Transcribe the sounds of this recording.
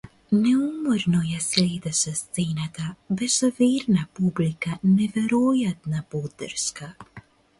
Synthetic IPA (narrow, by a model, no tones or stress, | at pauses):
nɛumoɾnojasleːd̪asast̪seːnat̪abɛsɔviːɾnapublikanɛveɾojat̪napod̪ə̰ɾska